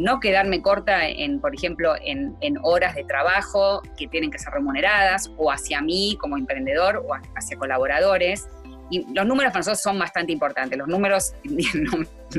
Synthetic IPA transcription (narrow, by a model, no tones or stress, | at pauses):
no̞ke̞ðaɾme̞ko̞ɾt̪aḛnpo̞ɾexe̞mplo̞ʔḛneno̞ɾazðe̞t̪ɾaβaxo̞ke̞t̪jene̞ŋke̞sere̞mune̞ɾað̞asoasjamiko̞mo̞empɾe̞nd̪e̞ðo̞ɾoaasjako̞laβo̞ɾað̞o̞ɾes | ilo̞znũmeɾosfansososːo̞mbast̪ant̪eimpo̞ɾt̪ant̪eslo̞snũmeɾo̞sjennum